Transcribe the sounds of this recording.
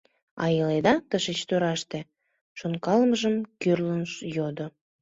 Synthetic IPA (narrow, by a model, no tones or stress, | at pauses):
ɑ̰jəled̪ɑt̪əʃet͡ɕt̪øɾɑʃt̪e | ʃonkɑlməʒəmkørlənʃjod̪o